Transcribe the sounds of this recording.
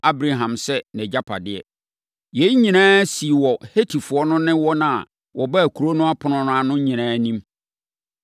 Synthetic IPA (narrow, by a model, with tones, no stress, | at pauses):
a˦bɾa˨ɦã˨msɛ˦nɛ̃˨d͡ʑa˦pʰa̰˨dɪ˦ɛ̰˨ | jɛ˨˦i˦ɲĩ˨nãː˦si˨wɔ˨he˦tʰi˨fʊ˨ɔ˦nʊ̃˦nɪ̃˦wɔ˦nã˦˨ | wʔɔ˨ba˦˨kʰu˨ɾo˦nʊ̃˦a˦pʰʊ˨nʊ̃˨nʊ̃˦a˨nʊ̃˦ɲĩ˨nãː˨˦nĩ˦m